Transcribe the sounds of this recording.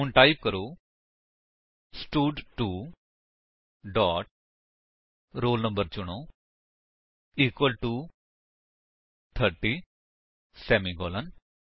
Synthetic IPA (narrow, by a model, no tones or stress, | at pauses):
unʈaːip̚kəɾoː | sʈuːɖʈu | ɖɔːʈ̚ | ɾoːlnə̃mbəɾt͡ʃʊɽ̃o | iːkwəlʈu | t̪ʰəɾʈi | sɛːmiɡɔːlən